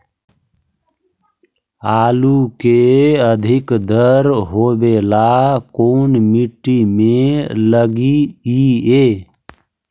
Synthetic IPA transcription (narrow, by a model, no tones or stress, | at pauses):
alukeəd̪ʱikd̪ʱəɾɦobelakonmiʈːimeləɡiie